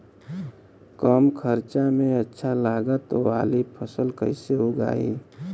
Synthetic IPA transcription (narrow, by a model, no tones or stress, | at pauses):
kəmkʰəɾt͡ʃamẽətːʃʰalaːɡət̪oaːlipʰəsəlkəɪseʊɡa̰ːḭː